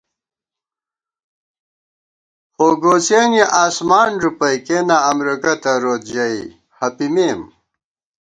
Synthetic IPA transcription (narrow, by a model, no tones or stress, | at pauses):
xoːɡoːseːniʔaːsmaːnɾupɐjkenaːmɾikɐt̪ɐɾoːt̪d͡ʑɐi | hɐpimeːm